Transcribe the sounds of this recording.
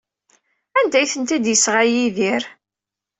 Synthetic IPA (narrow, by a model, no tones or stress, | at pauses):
ænd̪æjθənt̪æd̪jəsʁajiðiɾ